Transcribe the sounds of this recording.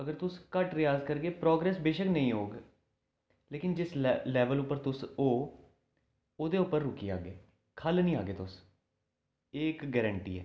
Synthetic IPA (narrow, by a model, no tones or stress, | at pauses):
əɡəɾt̪ʊskəʈɾɪjaːzkəɾɡeːpɾɔːɡɾɛːsbeːʃəknəĩːɦoːɡ | leːkɪnd͡ʒɪslɛːʋəlʊpːəɾt̪ʊsoː | oːd̪eːʊpːəɾːʊkiːa̰ːɡḛː | kʰəlnĩːaːɡeːt̪ʊs | eːkɡɛːɾəɳʈḭːɛ̰ː